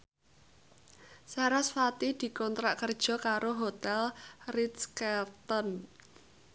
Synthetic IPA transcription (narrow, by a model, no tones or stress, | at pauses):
saɾasfat̪id̪̥i̤kɔnt̪ɾaʔkərd̥ʒ̥ɔ̤kaɾoɦot̪ɛlrit̪skɛrt̪ɔn